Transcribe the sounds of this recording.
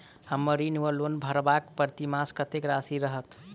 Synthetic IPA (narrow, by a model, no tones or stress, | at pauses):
həmːəɾinuʋəlonbʱəɾbakpəɾt̪imaskət̪ekɾasiɾəɦət̪